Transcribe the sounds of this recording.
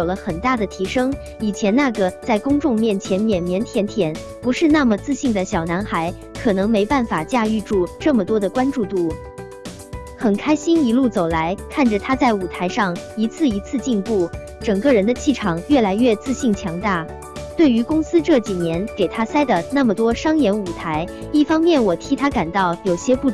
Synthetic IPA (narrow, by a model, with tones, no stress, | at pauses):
jo˨˩ʊlə˦xə˨˩nt̪a˥˩d̪ə˩t̪ʰi˧˥ʂɤ˥ŋ | i˨˩t͡ɕʰjɛ˧˥nna˥˩ɡə˩t͡sa˥˩ɪkʊ˥ŋʈ͡ʂʊ˥˧ŋmjɛ˥˩nt͡ɕʰjɛ˧˥nmjɛ˨˩nmjɛ˧˥nt̪ʰjɛ˧˥nt̪ʰjɛ˨˩˦n | pu˧˥ʂɻ̩˥˧na˥˩mə˩t͡sɹ̩˥˧ɕi˥˩ŋd̪ə˩ɕjɑ˨˩ʊna˧˥nxa˧˥ɪ | kʰɤ˨˩nɤ˧˥ŋme˧˥ɪpa˥˩nfa˨˩t͡ɕja˥˧y˥˧ʈ͡ʂu˥˩ʈ͡ʂɤ˥˩mə˩t̪wɔ˥d̪ə˨kwa˥nʈ͡ʂu˥˧t̪u˥˩ | xə˨˩nkʰa˥ɪɕi˥ni˧˥lu˥˩t͡so˨˩ʊla˧˥ɪkʰa˥˩nʈ͡ʂə˨˩t̪ʰa˥t͡sa˥˩ɪu˨˩t̪ʰa˧˥ɪʂɑ˥˩ŋi˧˥t͡sʰɹ̩˥˩i˧˥t͡sʰɹ̩˥˧t͡ɕi˥˧npu˥˩ | ʈ͡ʂɤ˨˩ŋkə˥˧ɻə˧˥nd̪ə˧t͡ɕʰi˥˩ʈ͡ʂʰɑ˨˩ŋɥɛ˥˩la˧˥ɪɥɛ˥˧t͡sɹ̩˥˧ɕi˥˩ŋt͡ɕʰjɑ˧˥ŋt̪a˥˩ | t̪we˥˩ɪy˧˥kʊ˥ŋsɹ̩˥ʈ͡ʂɤ˥˩t͡ɕi˨˩njɛ˧˥nke˨˩ɪt̪ʰa˥sa˥ɪd̪ə˨na˥˩mə˩t̪wɔ˥ʂɑ˥ŋjɛ˧˥nu˨˩t̪ʰa˧˥ɪi˥˩fɑ˥ŋmjɛ˥˩nwɔ˨˩t̪ʰi˧˥t̪ʰa˥ka˨˩nt̪ɑ˥˩ʊjo˨˩ʊɕjɛ˥pu˥˩